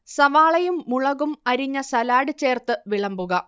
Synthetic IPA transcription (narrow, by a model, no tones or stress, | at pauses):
sɐʋaːɭɐjumːuɭɐɣumɐɾiɲːɐsɐlaːɽɨt͡ɕːe̞ːrt̪ɨʋiɭɐmbuɣɐ